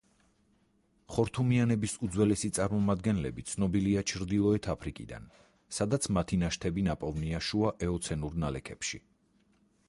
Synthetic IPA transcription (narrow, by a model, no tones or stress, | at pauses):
χɔɾt̪ʰumianɛbisud̪zwɛlɛsit̪sʼaɾmɔmad̪̚ɡɛnlɛbit̪sʰnɔbiliat͡ʃʰɾd̪ilˠɔɛt̪ʰapʰɾikʼḭd̪a̰n | sad̪at̪sʰmat̪ʰinaʃt̪ʰɛbinapʼɔvniaʃuaʔɛɔt̪sʰɛnuɾnalɛkʰɛpʃi